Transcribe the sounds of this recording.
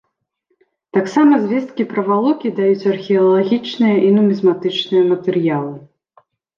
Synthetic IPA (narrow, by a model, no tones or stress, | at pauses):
t̪aksamɐzʲvʲɛst̪̚kʲipɾɐvalˠɔkʲid̪ajut͡sʲɐrxʲiɐlˠaɣʲit͡ʂnɨjɐʔinumʲizmat̪ɨt͡ʂnɨjɐmɐt̪ɛɾjalˠɨ